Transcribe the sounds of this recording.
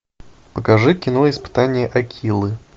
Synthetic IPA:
pəkɐʐɨkʲɪnoɪspɨ̥t̪anʲɪjəʔɐkʲʰilˠɨ

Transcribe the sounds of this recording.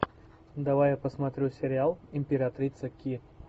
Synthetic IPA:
d̪ɐvajapəsmɐt̪ɾʲusʲɪɾʲɪalˠɪmʲpʲɪɾat̪ɾʲit̪səkʲi

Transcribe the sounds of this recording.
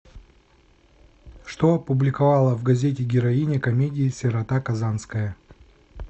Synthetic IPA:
ʂt̪oɐpʊblʲɪkɐvalˠəvɡɐzʲet̬ʲɪɡʲɪɾɐinʲɪkɐmʲedʲɪːsʲɪɾɐt̪akɐzanskəjə

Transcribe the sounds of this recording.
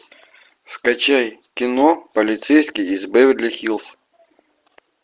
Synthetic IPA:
skɐt͡ɕajkʲɪnopəlʲɪt̪sɛjsʲkʲɪjɪzbavʲɪd̪ʲlʲɐxʲilˠs

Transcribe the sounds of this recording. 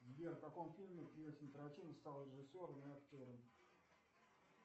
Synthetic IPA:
zʲvʲert̪ɐkomfʲilʲmʲɪpɾʲɪesʲɪnʲt̪əɾɐt̪ʲivəst̪alˠɾʲɪʐɨsʲːoɾəmɨɐktʲo̞ɾəm

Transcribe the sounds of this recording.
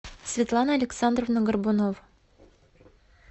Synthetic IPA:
sʲvʲɪt̪lˠɑnəɐlʲeksɑnd̪rovnəɡərbunov

